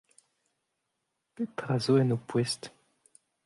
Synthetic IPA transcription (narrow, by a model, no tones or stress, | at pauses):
kɛt̪ʁazoɛnopwɛst̪